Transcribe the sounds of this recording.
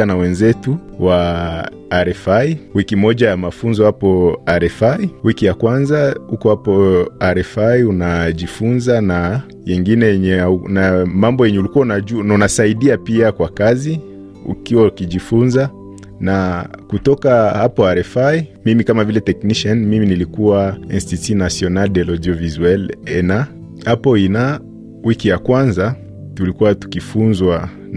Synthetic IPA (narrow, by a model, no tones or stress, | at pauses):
anawɛnzɛtuwa | aɾɛfaiwikimɔʄajamafunzɔhapɔaɾɛfaiwikijakwanzahukɔhapɔaɾɛfaiunaʄifunzana | jɛŋɡinɛjɛɲɛnamambɔjɛɲɛulikuwaunaununasaiɗiapiakwakazi | ṵkiwaukiʄifunza | nakutɔkahapɔaɾɛfaimimikamavilɛtɛkniʃɛnmiminilikuwainstitinasiɔnaldɛlɔd͡ʒɔvizwɛlɛna | hapɔina | wikijakwanza | tulikuwatu̥kifunzwa